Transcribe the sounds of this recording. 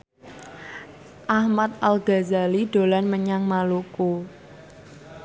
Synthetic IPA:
ʔahmat̪̚ʔalɡa̤zaliɖolanməɲaŋmaluko

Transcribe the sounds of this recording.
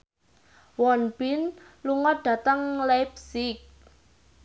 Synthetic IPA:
wɔnb̥ɪn | luŋɔd̪̥a̤t̪əŋlabsɪk̚

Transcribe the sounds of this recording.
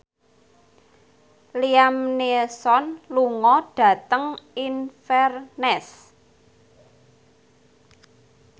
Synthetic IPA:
liamnesɔnluŋɔɖ̥ä̤t̪əŋinfɛrnɛs

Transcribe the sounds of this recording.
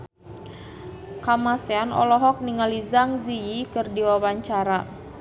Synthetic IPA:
kamaseanɔ̰lɔɦɔk̚niŋalizaŋzijikɨrdiwawaɲt͡ʃaɾa

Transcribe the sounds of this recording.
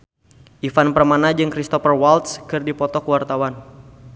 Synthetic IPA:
ʔifanpərmanad͡ʒɨŋkɾist̪ɔfərwalt̪skɨrdipɔt̪ɔkwart̪awan

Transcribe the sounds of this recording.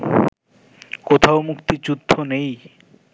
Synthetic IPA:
kot̪ʰaomukt̪it͡ɕud̪ʱːonej

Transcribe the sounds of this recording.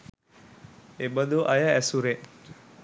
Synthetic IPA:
ebəd̪uʔajaæsuɾeʔ

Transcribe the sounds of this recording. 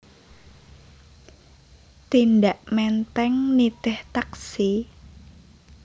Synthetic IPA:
t̪inɖaʔmɛnt̪ɛŋnit̪ɪht̪aksi

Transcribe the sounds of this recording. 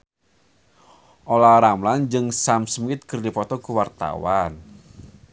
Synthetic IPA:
ʔolaɾamland͡ʒɨŋsamsmɪt̪̚kərdipɔt̪ɔkuwart̪a̰wan

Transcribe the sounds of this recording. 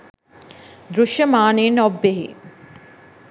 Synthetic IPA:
d̪ɾuʃjɐmaːneːnɔbːeɦḭ

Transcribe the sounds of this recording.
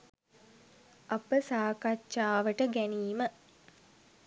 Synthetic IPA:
ɐpəsaːkat͡ʃːʃaːʋəʈəɡæniːmə

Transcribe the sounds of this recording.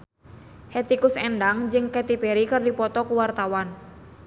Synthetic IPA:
het̪ikʊsɛndaŋd͡ʒɨŋkɛt̪ipeɾikɨrdipɔt̪ɔkuwart̪awan

